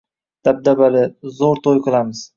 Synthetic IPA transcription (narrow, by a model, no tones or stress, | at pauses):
d̪̥ab̚d̪abalɪzoɾt̪ʰojqʰɨlˠamɪz̥